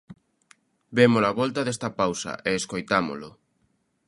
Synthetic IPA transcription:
bemolaβɔlt̪ɐðest̪ɐpawsɐ̰ʔeːskojt̪amo̰lʊ

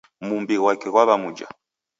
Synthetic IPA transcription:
mumbiɣwakɛɣwaβamud͡ʒa̰

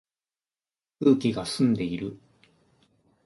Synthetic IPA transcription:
ɯ̟ːkʲiɡasɨ̃nd̪e̞iɾɯ̟

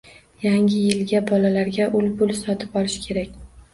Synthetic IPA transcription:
jaŋʲɪjɪlɡʲabɒlalaɾɡʲaʔʊlbʊlsɒt̪ʰɪpɒlˠɪʃkʲʰe̞ɾakʲ

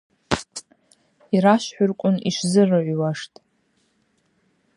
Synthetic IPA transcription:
iɾaʃħʷᶣʊrkʷʼʊniʃzɨrɨʕʷwaʂtʼ

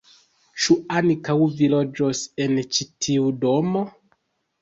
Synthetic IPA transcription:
t͡ʃuankawvilo̞d͡ʒose̞nt͡ʃitʰiudo̞mo

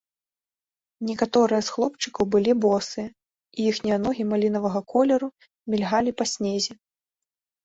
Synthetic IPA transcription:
nʲɛkat̪ɔɾɨjɐsxlˠɔpt͡ʂɨkɐwbɨlʲibɔsɨɐ | ijixnʲijɐnɔɣʲimalʲin̪ɐvɐɣɐkɔlʲɛɾu | mʲilʲɣalʲipɐsʲnʲezʲi

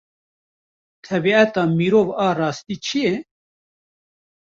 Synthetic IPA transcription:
t̪ʰɛbiɛt̪ɑːmiːɾoːvɑːrɑːst̪iːt͡ʃʰijɛ

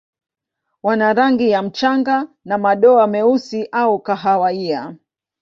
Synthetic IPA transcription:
wanaɾaŋɡijam̩t͡ʃaŋɡa | namaɗɔamɛusiʔaukaɦawaia

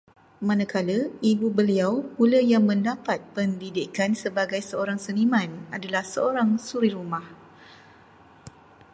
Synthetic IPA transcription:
mãnãkaləibubəliawpuləjaŋmə̃ndapat̪̚pəndidɪkansəbaɡajsəoɾaŋsənimãnadalahsəoɾaŋsuɾiɾumah

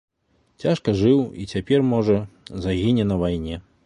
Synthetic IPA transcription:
t͡sʲaʂkɐʐɨwit͡sʲapʲɛrmɔʐɐzaɣʲinʲɛnɐvajnʲɛ

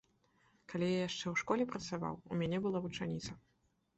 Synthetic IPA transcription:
kalʲijajaʂt͡ʂɛwʂkɔlʲɛpɾɐt̪sava̰wṵmʲanʲɛbɨlˠavut͡ʂanʲit̪sɐ

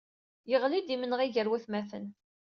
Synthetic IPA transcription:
jəʁlid̪imənəʁiʝəɾwæθmæθən

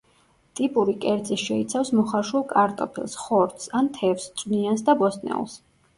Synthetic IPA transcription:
t̪ʼipʼuɾikʼɛɾd̪ziʃɛit̪sʰafsmɔχaɾʃwulˠkʼaɾt̪ʼɔ̰pʰḭlˠsχɔɾt̪ʰsant̪ʰɛfst̪sʼwniansd̪abɔst̪ʼnɛ̰ṵlˠs

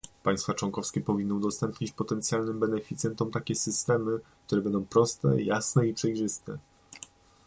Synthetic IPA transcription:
paj̃st̪fat͡ʂwɔŋkɔfskʲɛpɔvʲinːɔ̃wd̪ɔst̪ɛmpɲit͡ɕpɔt̪ɛnt̪sʲjalnɘmbɛnɛfʲit̪sjɛnt̪ɔmt̪akʲɛsɘst̪ɛmɘk̚t̪uɾɛbɛnd̪ɔ̃w̃pɾɔst̪ɛ̰jasnɛipʂɛjʐɘst̪ɛ̰

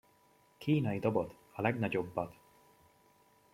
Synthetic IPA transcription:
kʰiːnɒjid̪obot̪ | ɒlɛɡnɒɟo̞bːɒt̪

